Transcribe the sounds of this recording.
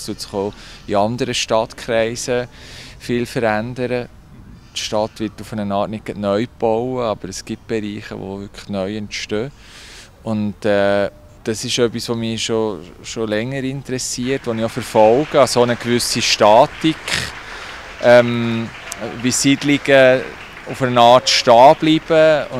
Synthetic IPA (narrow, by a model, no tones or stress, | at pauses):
stut̪sɪ̥χoːiɑndəɾəʃtɑt̪kʰχɾɛɪsəfɪlfəɾændəɾə | tʃtɑtʋɪtufənənɑːtnɪt̚ɡ̥ətnœʏb̥ɔwəɑb̥əɾəsɡ̥it̚b̥ɛɾiːχə̰ʋo̰vʏkʰə̥nœʏɛntʃtøː | ʊntɛ | d̥ɑsɪʃœpːisʋomiːʃoʃolɛŋːəɾɪntɾɛsiəɾtʋoniofəɾfɔlɡ̥əɑsonəkʋʏsiʃtɑːtikχ | ʔɛm | bisidliɡ̥ə | ufənənɑːɾtʃtɑːb̥liːb̥əʊ